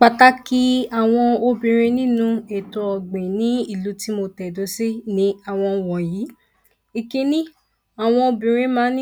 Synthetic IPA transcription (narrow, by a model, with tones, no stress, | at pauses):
k͡pa˨ta˦ki˦a˨w̃ɔ̃˧o˧bĩ˨ɾ̃e˧nĩ˦nũ˦e˨tɔ˧˦ɔ˨ɡ͡bẽ˨nĩ˨˦i˦˨lu˨˦ti˦mo˧tɛ˨dõ˨˧˦se˦nĩ˨˦a˨w̃ɔ̃˧wɔ̃˨jiː˨˦ | i˨ke˧nĩ˦ | a˨w̃ɔ̃˧o˧bĩ˨ɾ̃ẽ˧˦mãː˦nĩ˦